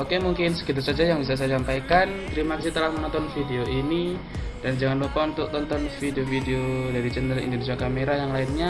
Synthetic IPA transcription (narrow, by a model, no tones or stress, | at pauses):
okemuŋkɪnsə̥kit̪̬arsad͡ʒajaŋbisas̬ajasampajkant̪əɾimakasit̪əlahmənɔnt̪ɔnfideoʔini | d̥and͡ʒaŋanlupaunt̪ʊk̚t̪ɔnt̪ɔnfideofideodaɾid͡ʒɛndəlḭndonisiakameɾajaŋlainɲa